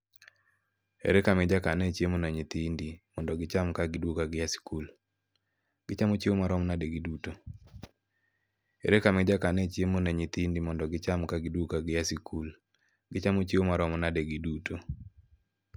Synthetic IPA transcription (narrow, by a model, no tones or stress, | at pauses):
ḛɾekamɛd͡ʒakanet͡ʃjemonaɲit̪indimɔndɔɡɪt͡ʃamkaɡɪdwukaɡɪjasi̥kul | ɡɪt͡ʃamot͡ʃiomaɾɔmnadeɡiduto | ḛɾekamɛd͡ʒakanet͡ʃjemonaɲit̪indimɔndɔɡɪt͡ʃamkaɡɪdwukaɡɪjasikʰul | ɡɪt͡ʃamot͡ʃiomaɾɔmnadeɡiduto